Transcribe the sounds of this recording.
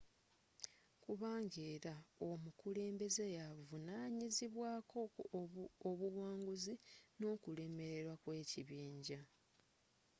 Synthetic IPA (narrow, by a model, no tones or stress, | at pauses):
kuβaːŋɡeːɾaomukule̞ːmbe̞zejavunaːɲiziβwaːkʰo̞ | oβuwaːŋɡuzino̞ːkule̞ːme̞ɾe̞ɾwakwe̞ːciβiːɲɟa